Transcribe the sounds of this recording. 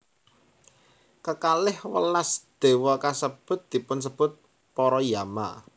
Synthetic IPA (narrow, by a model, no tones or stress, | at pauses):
kəkalɪhwə̰lasd̪̥e̤wɔkasəb̥ʊ̤t̪̚d̪̥i̤pʊns̬əb̥ʊ̤t̪̚ | pɔɾɔjama